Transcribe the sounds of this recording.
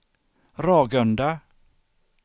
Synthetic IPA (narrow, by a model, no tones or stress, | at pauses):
ɾɑːɡœnd̪a